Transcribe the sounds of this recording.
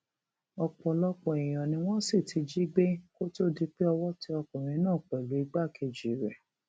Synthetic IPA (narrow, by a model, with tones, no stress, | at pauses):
ɔ˧k͡pɔ˨lɔ˦k͡pɔ˨i˨j̃ɔ̃˨nĩ˧w̃ɔ̃˦si˦˨tʰi˨˧d͡ʒi˦ɡ͡be˦ko˦to˦di˧k͡pe˦ɔ˧wɔ˦ti˧ɔ˧k͡pɔ̃˨ɾ̃ĩ˧˦nãː˦˨k͡pɛ˨lo˨˦i˧ɡ͡ba˦˨ke˧˨d͡ʒi˨ɾɛ˨